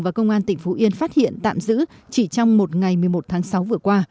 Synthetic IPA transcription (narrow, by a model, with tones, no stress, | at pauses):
vaː˨˩kə˧wŋ͡mʔaː˧nt̪ï˧˩ŋ̟fu˨˦ʔi˧ənfaː˦˥t̚hḭ˧˨ənt̪a̰ː˧˨mzɨ̰˧˥t͡ɕi˧˩t͡ɕɔ˧wŋ͡mmo˨˩t̚ŋa˨˩jmɨ˨˩əjmo˨˩t̚t̪ʰaː˨˦ŋsa˨˦wvɨ˨˩əkwaː˧